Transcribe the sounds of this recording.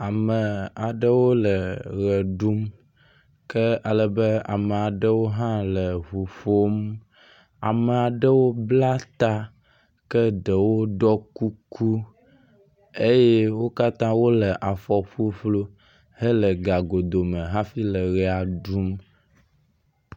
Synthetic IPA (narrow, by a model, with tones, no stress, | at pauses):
a˨mə˨a˨ɖə˦wo˦lə˨ɣə˨ɖu˦m | kə˦a˨lə˨bə˦a̰˨mə˨a˨ɖə˦wo˦ɦã˦lə˨ɦu˨ɸo˦m | a̰˨mə˨a˨ɖə˦wo˦bla˦t̪a˦ | kə˦ɖə˨wo˦ɖɔ˦ku˦ku˦ | e˦jɛ˦wo˦ka˦t̪ã˦wo˦lə˨ʔa˨fɔ˨ɸu˦ɸlo˦ | hə˦lə˨ɡa˨ɡo˨d̪o˨mə̃˨ɦã˦fi˦lə˨ɣɛ˨a˨ɖu˦m